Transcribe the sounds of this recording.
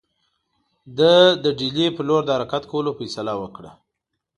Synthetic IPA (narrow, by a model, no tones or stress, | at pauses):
d̪əd̪əɖilepəloɾd̪əhaɾakat̪kawəlofajsalawəkɽa̰